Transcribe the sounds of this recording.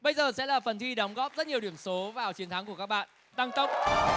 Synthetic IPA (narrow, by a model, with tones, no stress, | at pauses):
ɓə˧jzəː˨˩sɛ̰˧˥laː˨˩fə˨˩nt̪ʰi˧ɗə˨˦wŋ͡mɣɔ˦˥p̚zə˦˥t̚ɲi˨˩əwɗi˧˩əmso˨˦vaː˨˩wt͡ɕi˨˦ənt̪ʰa˨˦ŋku˧˩əkaː˦˥k̚ɓa̰ː˧˨n | t̪a˧ŋt̪ə˦˥wk͡p̚